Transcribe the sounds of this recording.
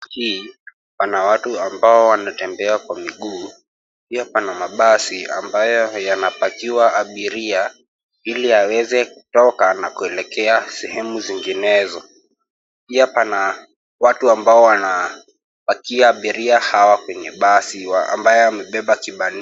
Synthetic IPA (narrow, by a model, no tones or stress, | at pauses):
hiː | panawatuambaɔwanatɛmbɛakwamiɠuː | piapanamaɓasia̰mbajɔjanapakiwaːɓiɾia | iliawɛzɛku̥tɔkanakuɛlɛkɛasɛhɛmuziŋɡinɛzɔ | piapana | watuambaɔwana | pakiaːɓiɾiahawakwɛɲɛɓasiwaa̰mbajɔamɛɓɛɓakiɓan